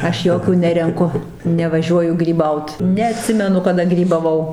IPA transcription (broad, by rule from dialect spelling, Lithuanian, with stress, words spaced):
ˈɐʃ ˈjoːkʲuː ˈnʲæːrʲɛŋkʊ nʲɛʋɐˈʒʲuɔjʊ ɡrʲiːˈbɐʊt nʲɛɐˈtʲsʲɪmʲɛnʊ kɐˈdɐ ɡrʲiːbɐˈʋɐʊ